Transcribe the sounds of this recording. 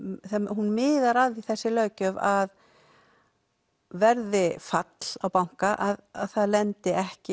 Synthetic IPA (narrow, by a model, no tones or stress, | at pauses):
θaɦunmɪːðaɾaðiθɛsːɪlœːɥcœvað | vɛɾðɪfat̪l̥awpawŋ̥kaʔaððθaðlɛnt̪ɪɛhcɪ